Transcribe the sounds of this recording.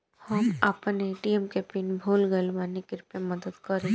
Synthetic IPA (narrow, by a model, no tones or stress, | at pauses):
hɐmɐpneʈiːɛmkɛːpiːnbʱoːlɡəlʋaːnekɪɾpemɐd̪əd̪kɐɾẽː